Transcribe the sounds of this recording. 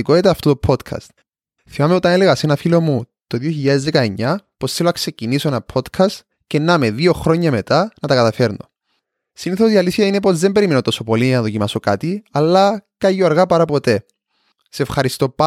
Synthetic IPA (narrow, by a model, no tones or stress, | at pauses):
ikoet̪ɐːft̪ot̪opʰot̪kʰɐ̰st̪ | θimɐmeot̪ɐneleɣɐsenɐfilomu | t̪oðioçiʎːɐðezðe̞kɐeɲːɐposθeloɐkse̞cinisoenɐpʰo̞d̪kʰɐst̪ | cenːɐmeðio̞xɾo̞ɲːɐme̞t̪ɐnɐt̪ɐkɐt̪ɐfe̞ɾno̰ | siniθosiɐlisçɐine̞po̞zðembe̞ɾimenot̪o̞sopolinɐðo̞cimɐsokat̪iɐlːɐkɐʝoɐɾɣɐpɐɾɐpo̞t̪e̞ | seefxɐɾist̪o̞p